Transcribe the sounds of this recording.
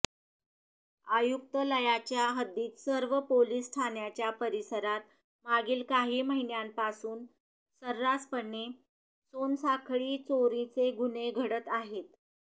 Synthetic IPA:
ajuk̚t̪ələjat͡ɕjaɦəd̪ːiːt̪səɾʋəpoliːsːʈʰanjat͡ɕjapəɾisəɾat̪ | maɡiːlkaɦiːməɦinjampasuːn | səɾːaspəɳːe | sonsakʰɭiːt͡soɾĩt͡seɡuneɡʱəɽət̪aɦet̪

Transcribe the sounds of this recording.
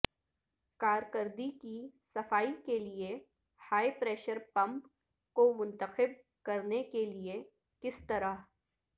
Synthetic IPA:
kaːɾkəɾd̪ikisɐfaːikelie | haːipɾeːʃəɾpɐ̃mp | komʊ̃nt̪əxɪb̚ | kɐɾnekelie | kɪst̪ɐɾa

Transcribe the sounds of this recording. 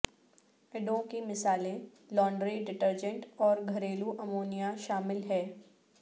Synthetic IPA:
ɪɖõkimɪsaːlẽ | lɔːɳɖɾiɖɪʈəɾd͡ʒə̃ɳʈɔːɾɡʱɐɾeːluʔɐmoːnijaʃaːmɪlɦɛː

